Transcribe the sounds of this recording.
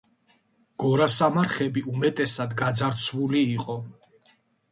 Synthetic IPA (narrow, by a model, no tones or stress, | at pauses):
ɡ̥ɔɾasamaɾχɛbiʔumɛt̪ʼɛsad̪ɡad̪zaɾt̪sʰwuliːqʼɔ